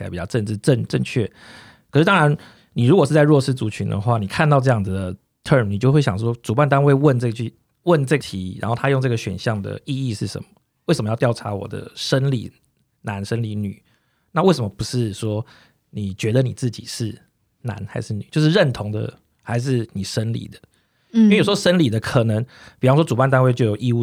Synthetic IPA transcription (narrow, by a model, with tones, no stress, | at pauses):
a˨˥˩pi˨˩t͡ɕɑ˥˧ʊʈ͡ʂə˥˧nʈ͡ʂɻ̩˥˧ʈ͡ʂə˥˧ŋʈ͡ʂə˥˧ŋt͡ɕʰɥɛ˥˩ | kʰʂ̩ɻ̩˥˩t̪ɑ˥ŋɻa˧˦n | ni˨˩ɻu˧˥kwɔ˨˩ʂɻ̩˥˩t͡sa˥˧ɻwɔ˥˧ʂɻ̩˥˩t͡su˨˩t͡ɕʰy˧˥nd̪ə̰˨xwa˥˩ni˨˩kʰa˥˧nt̪ɑ˥˧ʊʈ͡ʂɤ˥˧jɑ˥˩ŋd͡zɨ˩d̪ə˩ | t̪ʰə˥˧mni˨t͡ɕjxwe˥˩ɪɕjɑ˨˩ŋʂ̬wɔ˥ʈ͡ʂu˨˩pa˥˩nt̪a˥nwe˥˧ɪwə˥˧nʈ͡ʂə˥˧ɡə˩t͡ɕy˥˩ | wə˥˧nʈ͡ʂə˥˩t̪ʰi˧˥ɻa̰˧˥nxo˥˩ʊt̪ʰa˥jo˥˧ŋʈ͡ʂɤ˥˩ɡə˩ɕɥɛ̰˨˩nɕjɑ˥˩ŋd̪ə̰˩i˥˧i˥˧ʂɻ̩˥˩ʂə̰˧˦nmə̥˨ | we˥˩sə˨məjɑ˥˧jɑ˥˩ʊa˧˥wɔ̰˨˩d̪ə̰˦ʂə˦˥nlḭ˨˦ | na˧˥nʂə˦nli˨˧˦ny̰˨˩˦ | na˥˧we˥˩ʂə˩mə˨˩pu˧˥ʂɻ̩˥˩ʂwɔ˥ | ni˨˩t͡ɕɥɛ˧˥d̪ə˨ni˨˩t͡sɹ̩˥˩t͡ɕḭ˨˩ʂɻ̩˥˩ | na̰˧˦nxa˧˥ɪʂɻ̩˥˩ny̰˨t͡ɕjo˥˧ʊʂɻ̩˥˧ɻə˥˨nt̪ʰo˧˥ŋd̪ə̰˧ | xa˧˥ɪʂ̬ɻ̩˥˩ni˨˩ʂə˦˥nlḭ˨˩d̪ə˦ | i˥e˥˩jwɔ˥ʂə˥nli˨˩d̪ə˦kʰɤ˨˩nə˧˦ŋpi˨˩fɑ˦ŋ˥ʂwɔ˥ʈ͡ʂu˨˩pa˥˧nt̪a˥nwe˥˧ɪt͡ɕo˥ʊjo˨˩ʊʔi˥˧u˥˩